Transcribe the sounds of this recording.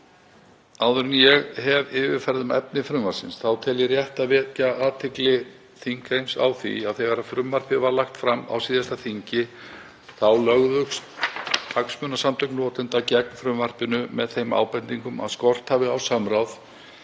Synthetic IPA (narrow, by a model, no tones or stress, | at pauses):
awðʏɾʏnjɛɣɦɛvɪːvɪfɛɾðʏmɛ̰p̚nɪfɾʏmvaɾ̥sɪ̰nsθawt̪ʰɛljɪrjɛht̪avɛːcaaːt̪ʰɪklɪ | θiŋkhejnsa̰wθḭaðθɛɣaɾafɾʏmvar̥pɪvaɾlaxt̪fɾama̰wsiːðast̪aθiɲcɪ | θawlœɣðʏxs | aksmʏːnasamt̪ʰʏknɔːt̪ɪnt̪acɛk̚nfɾʏmvar̥pɪnʏmɛðθejma̰ːwpɛnt̪iŋkʏma̰ðskɔr̥t̪haːvɪawsamɾawθ